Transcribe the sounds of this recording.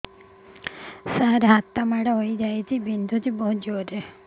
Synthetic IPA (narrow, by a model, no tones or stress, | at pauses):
saɾɦat̪ːamaɽeɦoid͡ʒaet͡ʃʰibind̪ʱut͡ʃebəɦud͡ʒoɾe